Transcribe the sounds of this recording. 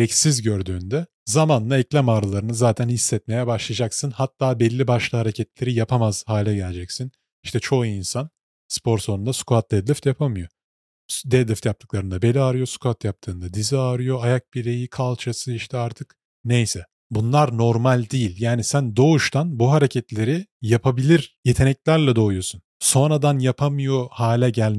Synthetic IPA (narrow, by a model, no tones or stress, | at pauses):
ɾɛcsizɟø̞ɾd̪yːnd̪ɛ | zamanlaɛclʲæmaːɾɯlˠaɾɯnɯzaːt̪ʰænhisːɛt̪̚me̞jɛbaʃlˠad͡ʒaksɯnhat̪ʰːaːbɛlʲːibaʃlˠɯhaɾecʰɛt̪lʲe̞ɾijapʰamaz̥haːlʲɛɟɛlʲed͡ʒɛcsin | iʃt̪ʰɛt͡ʃʰo̞iinsan | spʰo̞ɾso̞nund̪asu̥kuhat̪̚d̪ɛd̪lʲyft̪japʰamɯjo̞ | d̪ɛd̪lʲˠɛft̪jap̚t̪ʰɯklˠaɾɯnd̪abe̞lʲiaɾɯjo̞su̥kʰuhat̪jap̚t̪ʰɯːnd̪ad̪iziaɾɯjo̞ajak̚biɾejikʰalˠt͡ʃʰasɯiʃt̪ʰɛaɾt̪ʰɯk | nejsɛ | bunlˠaɾno̞ɾmalʲd̪ijilʲjaːnisænd̪o̞uʃt̪ʰanbuɦaɾecʰɛt̪lʲe̞ɾijapʰabilʲiɾje̞t̪ʰe̞nɛclʲæɾlʲɛd̪o̞ujo̞sun | so̞nɾad̪anjapʰamɯjo̞haːlʲɛɟælʲ